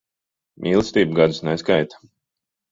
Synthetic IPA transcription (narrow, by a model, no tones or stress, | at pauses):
mʔiːlˠst̪iːbɡad̪usnɛskajt̪ḁ